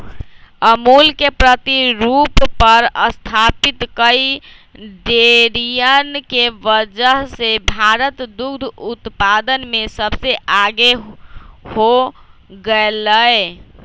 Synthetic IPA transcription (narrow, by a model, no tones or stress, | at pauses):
əmulkepɾət̪iɾupːəɾəst̪ʰapit̪kəi | ɖeɾijənkeʋəd͡ʒəɦsebʱaɾət̪d̪uɡd̪ʱut̪pad̪ənmesəbseʔaɡe | hoɡeləj